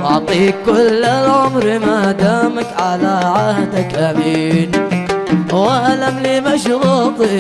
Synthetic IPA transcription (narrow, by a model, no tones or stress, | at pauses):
ʔɑʕt̪ˤiːkːʊlːɪʕʊmɾmad̪aːmakʕalaʕahd̪akʔamiːn | waʔlamliːmaʃɾuːqi